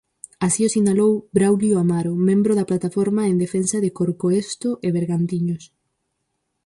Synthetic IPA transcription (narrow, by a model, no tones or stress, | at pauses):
asiosinalowbɾawljoamaɾomẽmbɾoʊðɐplat̪afɔɾmaeŋd̪efensɐðɪkoɾkoest̪ʊʔeβeɾɣant̪iɲʊs